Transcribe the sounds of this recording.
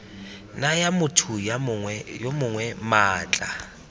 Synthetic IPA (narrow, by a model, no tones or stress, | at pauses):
najamʊtʰʊjawɛjomʊŋwɛmaːt͡ɬʼa